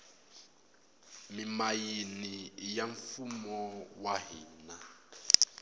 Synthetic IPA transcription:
mimajinijaɱfumɔwaɦḭːna

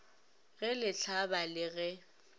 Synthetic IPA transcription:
ɣɛlɪt͡ɬʰabalɪɣɛ

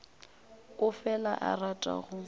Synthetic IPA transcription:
ʊfɛla̰ʔaratʼa̰ɣʊ

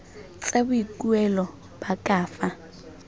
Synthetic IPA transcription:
t͡sʼabuikʼuɛlɔ | b̥akʼaːfa

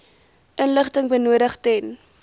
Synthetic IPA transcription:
ʔənləχtəŋbənuəɾəχtɛn

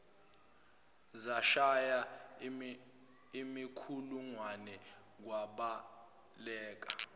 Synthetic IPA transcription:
zaʃaja | imikʰuluŋwanɛ | k̬waɓa | lɛːk̬a

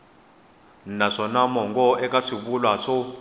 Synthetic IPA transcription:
naʂɔnamɔŋɡʼɔʔɛkʼaʂiɓulwaʂɔ

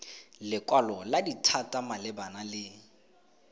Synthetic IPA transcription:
lɪkʼwalɔladitʰatʼamalɪbanalɪ

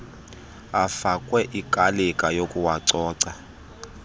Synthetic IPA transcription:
afakʼwɛʔikʼalɛkʼajokʼuwaǀɔːǀa

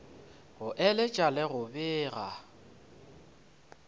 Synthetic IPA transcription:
ɣʊʔɛlɪt͡ʃʼalɪɣʊbɪːɣa̰

